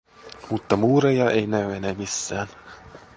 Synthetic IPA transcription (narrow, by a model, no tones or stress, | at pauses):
mut̪ːɑmuːɾejɑejnæyenemisːæːn